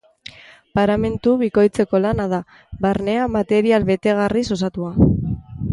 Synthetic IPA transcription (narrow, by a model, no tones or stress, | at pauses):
paɾame̞nt̪uβiko̞jt͡se̞ko̞lanað̞a | βaɾne̞amat̪e̞ɾialβe̞t̪e̞ɣ̞ariso̞sat̪ua